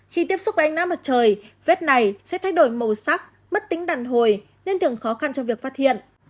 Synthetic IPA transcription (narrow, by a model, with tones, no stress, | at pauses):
xi˧˩t̪i˦˥əp̚sʊ˦˥k͡p̚vəː˨˩˨ŋnaː˨˥ma˨˩t̚t͡ɕəː˨˩jve˦˥t̚na˨˩jsɛ̰˧˥t̪ʰa˧jɗo˧˩jmə˨˩saː˦˥k̚ | mə˦˥t̚t̪ï˨˦ŋ̟ɗaː˨˩nɦo˨˩j | ne˧nt̪ɨ˨˩əŋxɔ˨˦xa˧nt͡ɕɔ˧ŋ͡mvi˨˩ək̚faː˦˥t̚hḭ˧˨ənʔ